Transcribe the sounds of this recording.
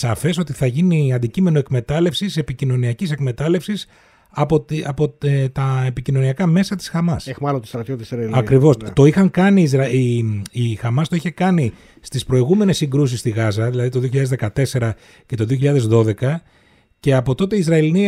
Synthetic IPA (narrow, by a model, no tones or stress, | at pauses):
sɐfe̞so̞t̪iθɐʝiniɐnd̪icime̞noekme̞t̪ɐle̞fsise̞picino̞niɐcise̞kme̞t̪ɐle̞fsis | ɐpot̪ɐpo̞et̪ɐepicino̞niɐkɐme̞sɐt̪i̥sxɐmɐsemɐlont̪ist̪ɾɐt̪jot̪iszɾɐɐkɾivo̞st̪o̞ixɐŋkɐnizɾɐiixɐmɐst̪o̞içe̞kɐni | st̪ispɾo̞iɣume̞ne̞sːiŋɡɾus̬ist̪iɣɐzɐðilɐðit̪oðioçiʎɐðezðe̞kɐt̪e̞se̞ɾɐ | ce̞t̪o̞ðioçiʎɐðe̞zðo̞ðe̞kɐ | ce̞ɐpo̞t̪o̞t̪eiːzɾɐelini